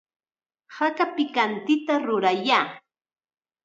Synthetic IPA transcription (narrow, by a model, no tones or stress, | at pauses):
hakapɪkant̪ɪt̪aɾʊɾajaː